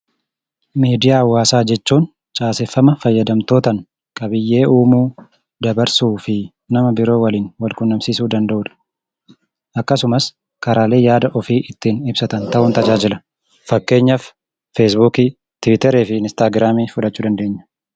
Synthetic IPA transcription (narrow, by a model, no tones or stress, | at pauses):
miːd̪ɪjaːwaːsaːd͡ʒɛt͡ʃːuːn | t͡ʃʼaːsɛfːɐmɐfɐjːɐd̪ɐmt̪o̞ːt̪ɐn | kʼɐbɪjːe̞ːuːmuː | d̪ɐbɐɾsuːfɪ | nɐmɐbɪɾo̞ːwɐliːnwɐlkʊnːɐmsiːsuːd̪ɐnd̪ɐʔuːᶑɐ̥ | ʔɐkːɐsʊmɐs | kɐɾaːle̞ːjaːd̪ɐʔɔfiːʔɪt̪ːiːnɪbsɐt̪ɐnt̪ɐʔʊnt̪ɐd͡ʒaːd͡ʒɪlɐ | fɐkːe̞ːɲːɐf | feːs̬bukiː | t̪ɪwɪt̪ɛɾeːfɪɪnɪst̪aːɡɾaːmiːfʊᶑɐt͡ʃːuːd̪ɐnd̪e̞ːɲːɐ̥